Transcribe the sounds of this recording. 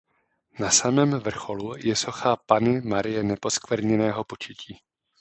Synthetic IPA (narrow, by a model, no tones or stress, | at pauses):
nasamɛːmvr̩xo̞lujɛso̞xapanɪmaɾɪjɛnɛpo̞skvɛɾɲɛnɛːɦo̞po̞t͡ʃɪciː